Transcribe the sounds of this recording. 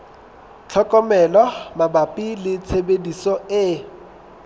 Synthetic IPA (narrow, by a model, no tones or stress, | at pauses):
t͡ɬʰɔkʼɔmɛlɔmabapʼilɪt͡sʰebedisɔɪ